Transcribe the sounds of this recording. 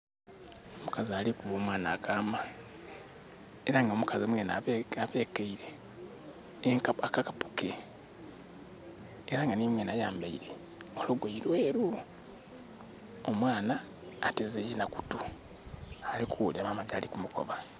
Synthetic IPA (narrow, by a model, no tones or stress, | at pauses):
omukazialikuβo̞ːmwaːna̰ːkʰaːma | e̞ɾaŋɡaomukaziomweːna̰aβe̞ːkeiɾe̞ | ŋkaakakapu̥ke | ɾaŋɡanimweːnajaːmbaiɾe̞ | oluɡwaiɾweːɾu | omwaːnaː | tezejenaku̥tu | alikuuliamamaɡaːlikumuko̞̰βa